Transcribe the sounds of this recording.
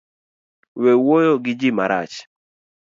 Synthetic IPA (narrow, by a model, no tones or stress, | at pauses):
wewojoɡɪd͡ʒɪmaɾa̰t͡ʃ